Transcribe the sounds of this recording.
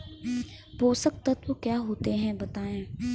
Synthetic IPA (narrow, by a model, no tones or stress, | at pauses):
boːsək̚t̪ət̪okjaːɦoːt̪eɦɛ̃bɐt̪aːẽː